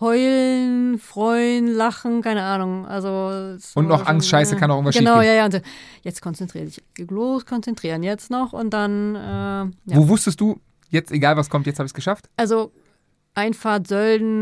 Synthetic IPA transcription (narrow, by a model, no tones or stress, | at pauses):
hɔʏlnfʁ̥ɔʏnlaχn̩kaɪnəʔaːnʊŋʔa̰lzosʊntnɔχʔaŋstʃaɪsəkanɔxʊnɐʃɡəiːnaʊjaːjaːʊntd̥anjɛt͡stkʰɔnt͡sɛntʁ̥iːəzɪç̥loːskʰɔnt͡sɛntʁ̥iːʁənjɛt͡stnɔχʊ̰nt̚d̥anʔɛːjavoːvʊstəst̚d̥uː | jɛt͡steɡaːlvaskʰɔmtjɛt͡shaːbɪçsɡ̥əʃaftʔalzo | ʔaɪnfaːɐtz̥œldn̩